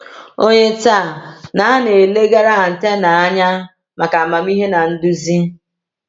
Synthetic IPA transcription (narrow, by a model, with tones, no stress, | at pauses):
o˦ɲe˦ta˦˨na˨a˦ne˨le˦ɡa˦ɾa˦˨n̩˨te˦na˨a˦ɲa˦ | ma˨ka˨ma˨m̩˦i˦ɦe˦na˨n̩˦du˦zi˦